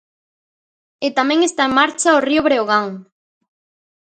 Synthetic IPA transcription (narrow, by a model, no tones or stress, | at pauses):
et̪amɛ̃ŋest̪aeŋmaɾt͡ʃaorioβɾeoɣ̞aŋ